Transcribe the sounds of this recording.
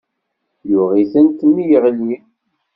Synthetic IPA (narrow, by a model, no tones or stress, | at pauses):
jʊʁiθənt̪mːijəʁlin